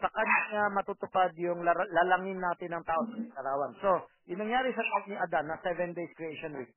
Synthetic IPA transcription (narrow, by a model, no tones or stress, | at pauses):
sɐkanɪŋamɐt̪ut̪ʊpad̪̚jʊŋlalɐlaŋɪnːaːt̪ɪnːɐŋt̪aːʔosɐɪk̪ɐɾaːwɐnso̞ | jʊnɐŋjaːɾɪsɐlʔak̪̚nɪʔɐd̪anːɐsɛvɛnd̪ejskɾiʔejʃonwik̚